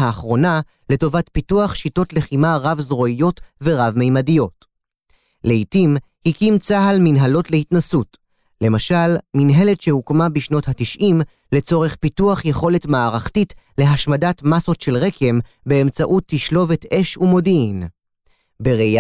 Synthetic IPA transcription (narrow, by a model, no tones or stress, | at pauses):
aːχʁo̞na | le̞tovatpituaχʃito̞tle̞χimaʁavzʁo̞ijo̞tve̞ʁavme̞jmadijot | le̞itim | hikimt͡saɦalminɦalo̞tle̞hitnasut | le̞maʃalminɦe̞letʃe̞hukmabiʃno̞thatiʃʔim | le̞t͡so̞ʁe̞χpituaχjeχo̞le̞tmaːʁaχtitle̞ɦaʃmadatmaso̞tʃe̞lʁekʰe̞m | be̞ːmt͡saʔutːiʃlo̞vete̞ʃumo̞diin | beʁea